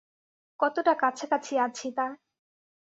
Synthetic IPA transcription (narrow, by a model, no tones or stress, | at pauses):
kɔt̪oʈakat͡ɕʰekat͡ɕʰiat͡ɕʰit̪a